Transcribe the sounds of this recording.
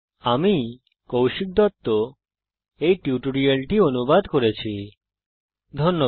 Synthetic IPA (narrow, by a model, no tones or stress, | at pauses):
ami | kowʃik̚d̪ɔt̪ːo | ejʈiuʈoɾialʈionubad̪koɾet͡ɕʰi | d̪ʱɔnːo